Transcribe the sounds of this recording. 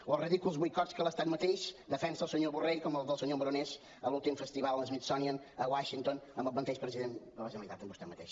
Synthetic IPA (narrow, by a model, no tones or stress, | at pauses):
ɔriðikulˠzβujkɔt̪skələst̪at̪mət̪ejʃd̪əfɛnsəlˠsəɲoβurejkɔməlˠd̪əlˠsəɲoməɾuneʃ | əlulˠt̪imfəst̪iβalˠəzmit̪sɔnjən | əwaʃint̪onə̃mbəlˠβənt̪eʃpɾəziðent̪bəlˠaʒemiðat̪əmbust̪at̪mət̪ḛjʃ